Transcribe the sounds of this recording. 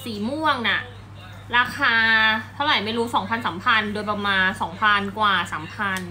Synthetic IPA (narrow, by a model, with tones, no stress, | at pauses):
siː˨˩mu˥˩əŋna˨˩ | ɾaː˧kʰaː˧t̪ʰa˥˩wɾa˨˩jma˥˩jɾuː˦˥sɔː˩˦ŋpʰa˧nsa˩˦mpʰa˧ndoː˧jpa˧maː˧nsɔː˩˦ŋpʰa˧nkwaː˨˩saː˩˦mpʰa˧n